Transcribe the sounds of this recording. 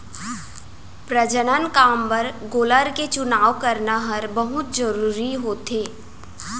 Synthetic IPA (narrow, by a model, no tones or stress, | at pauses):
pɾəd͡ʒənənkaːmpɐɾɡoːləɾket͡ʃʊnaːʋkɐɾnaɦɐɾbɐɦʊt̪d͡ʒəɾuːɾiɦoːt̪eː